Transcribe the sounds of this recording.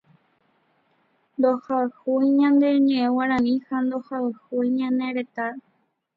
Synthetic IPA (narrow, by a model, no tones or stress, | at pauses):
nd̪ohaɨhujɲãnd̪e̞ɲẽʔẽwaɾãnĩhand̪ohaɨhujɲãnẽɾet̪aɾ